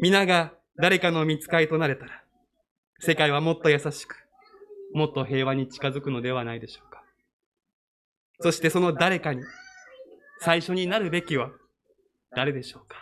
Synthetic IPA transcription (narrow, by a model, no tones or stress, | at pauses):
mʲinaɡa | d̪aɾe̞kano̞mʲit͡sɨ̥kait̪o̞naɾe̞t̪aɾa | se̞kaiβ̞amo̞t̪ːo̞jasaɕi̥kɯ̥ | mo̞t̪ːo̞ɦe̞ːβaɲ̟it͡ɕi̥kazɨkɯ̟no̞d̪e̞β̞anaid̪e̞ɕo̞ːkḁ | so̞ɕi̥t̪e̞so̞no̞d̪aɾe̞kaɲ̟i | saiɕo̞ɲ̟inaɾɯ̟be̞kʲiβa | d̪̥aɾe̞d̪e̞ɕo̞ːkḁ